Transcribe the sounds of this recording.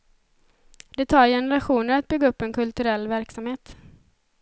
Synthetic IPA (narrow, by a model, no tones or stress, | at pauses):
d̪ɛt̪ʰɑːɾjɛnəɾaɧuːnəɾat̪̚bʏɡːaɵpːɛnkʰɵlt̪ɵɾɛlːvæɾksamheːt̪